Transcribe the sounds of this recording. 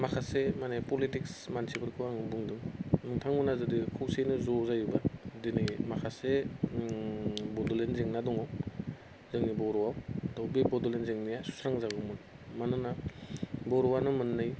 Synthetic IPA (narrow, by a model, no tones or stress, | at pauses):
makʰasemanepɔlitiksmansʰibɯɾkʰɯwaŋbuŋduŋnuŋtʰaŋmunazɯdikʰɯwsejnɯzɔzajubadinɯjmakʰase | bɔdulenzeŋnadɔŋɔw | zɯŋnibɔɾɔwawd̥ɔwbibɔdulenzeŋnijasu̥sɾaŋzaɡumun | manɯna | bɔɾɔwanɯmɯnːɯj